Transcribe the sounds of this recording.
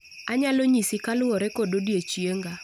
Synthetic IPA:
aɲaloɲisɪkalʊɔɾɛkododjet͡ʃjeŋɡa

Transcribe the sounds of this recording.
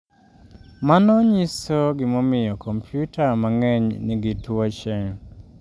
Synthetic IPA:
manɔɲisoɡɪmɔmɪjɔkʰɔmpʰjutʰamaŋɛɲnɪɡitwot͡ʃeŋ

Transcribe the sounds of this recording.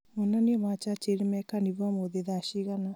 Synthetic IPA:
mɔnaniɔmat͡ʃat͡ʃeɾimɛkaniβamoðeðaɕiɣana

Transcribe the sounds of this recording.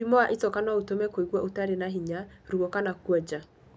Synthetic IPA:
imɔaʔetɔkanɔotomɛkoiɣwɔʔotaɾenaɦiɲaɾuɔkanakwɛd͡ʒa

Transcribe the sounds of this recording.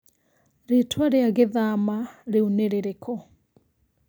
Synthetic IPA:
ɾetʰwaɾeaɣeðamaɾeuneɾeɾekʰɔ

